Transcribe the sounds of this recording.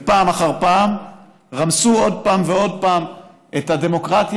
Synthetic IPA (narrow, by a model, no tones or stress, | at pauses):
paːmaχaʁpaːm | ʁamsuo̞d̚paːmveo̞d̪̚paːm | et̪ade̞mo̞kʁat̪j